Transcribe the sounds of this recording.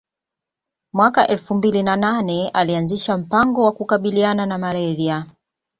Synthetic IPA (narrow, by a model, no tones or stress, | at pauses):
mwakaʔɛlfumbilinananɛalianziʃam̩paŋɡɔwakukaɓiliananamalɛɾia